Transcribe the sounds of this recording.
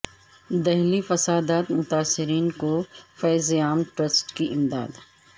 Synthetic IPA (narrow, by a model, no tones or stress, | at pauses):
d̪ɛɦlifɐsaːd̪aːt̪mʊt̪aːsːɪɾiːnkofɛːzeaːmʈɾɐsʈkiʔɪmd̪a̰ːd̪